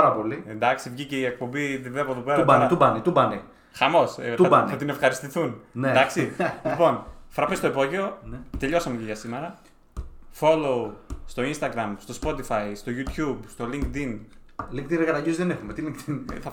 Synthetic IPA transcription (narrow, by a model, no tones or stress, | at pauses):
ɾɐpo̞liend̪ɐksivʝice̞iek̚po̞biðepoðopeɾɐbɐɐt̪ubɐnet̪ubɐne | xɐmo̞stɐbɐnɐt̪ine̞fxɐɾist̪iθunned̪ɐksilipo̞nfɾɐpest̪o̞ipo̞ʝeo̞nt̪e̞ʎo̞sɐmeceʝɐsime̞ɾɐ | fo̞loust̪o̞inst̪ɐɡɾɐmst̪o̞spo̞t̪ifɐist̪o̞ʝut̪çubst̪o̞liŋkt̪inliŋkt̪inɾkɐt̪ɐʝizðenexumet̪iliŋkt̪inθɐ